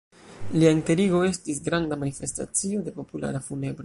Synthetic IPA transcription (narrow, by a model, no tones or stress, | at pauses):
liainte̞ɾiɡo̞e̞stisɡɾandamanife̞sta̰t͡sio̞de̞po̞pula̰ɾafune̞bɾo